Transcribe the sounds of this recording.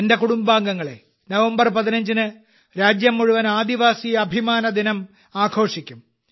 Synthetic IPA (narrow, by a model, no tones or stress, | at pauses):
ende̞kuɽumbaːŋɡɐŋːɐɭḛ | nɐʋɐmbɐrpɐðinɐɲd͡ʑinɨ | ɾaːd͡ʑjɐmːuɻuʋɐnaːd̪iʋaːsijɐbʱimaːnɐd̪inɐm | aːkʰo̞ːʂikʲːum